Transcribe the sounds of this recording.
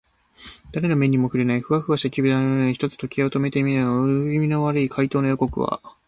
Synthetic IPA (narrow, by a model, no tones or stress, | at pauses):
d̪̥aɾe̞no̞me̞ɲ̟ːimo̞ɸɯɾenaiɸɯ̟βaɸɯ̟βaɕt̪akʲibɯ̟d̪anooiçi̥t̪o̞t͡sɨ̥t̪o̞kʲiaot̪o̞me̞t̪emʲinɯnoɯimʲino̞βaɾɯikʰait̪o̞ːnojoko̞kɯ̟̰βa̰